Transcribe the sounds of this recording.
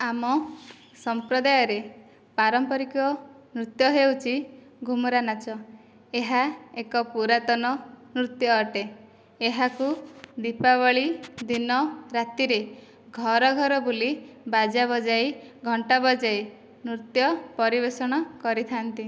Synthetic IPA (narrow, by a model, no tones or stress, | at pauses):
amɔ | sɔmpɾɔd̪ajɔɾe | paɾɔmpɔɾikɔ | nɾut̪jɔɦewt͡ʃʰi | ɡʱumɔɾanat͡ʃɔ | eɦaekɔpuɾat̪ɔnɔnɾut̪jɔːʈeː | ɦakud̪ipaβɔɭid̪inɔɾat̪iɾe | ɡʱɔɾɔɡʱɔɾɔbulibad͡ʒabɔd͡ʒajɡʱɔɳʈabɔd͡ʒaj | nɾut̪jɔpɔɾibesɔɽ̃ɔkɔɾit̪ʰant̪i